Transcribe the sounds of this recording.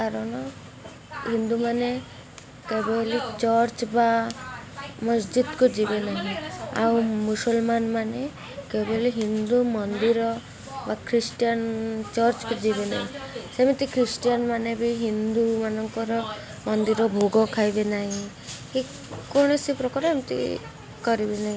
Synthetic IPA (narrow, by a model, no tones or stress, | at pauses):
kaɾɔɽ̃ɔ | ɦind̪umane | kebɔlit͡ʃɔɾt͡ʃba | mɔsd͡ʒid̪kud͡ʒibenaɦĩa̰wmusɔlmanmane | kebɔliɦind̪umɔnd̪iɾɔ | bakʰɾisʈijant͡ʃɔɾt͡ʃkud͡ʒibena̰ɦĩsemit̪ikɾisʈijanmanebiɦind̪umanɔŋkɔɾɔ | mɔnd̪iɾɔbʱoɡɔkʰajbenaɦĩ | hi | kɔɽ̃ɔsipɾɔkɔɾemit̪ḭ | kɔɾibenaɦĩ